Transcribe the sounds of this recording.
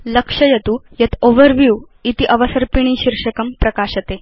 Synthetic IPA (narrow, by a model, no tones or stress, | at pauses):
ləkʂəjɐt̪ujɐt̪ʰoʋəɾʋju | it̪iʔɐʋəsəɾpiɳ̃iɕiɾʂəkəmpɾɐkaɕət̪e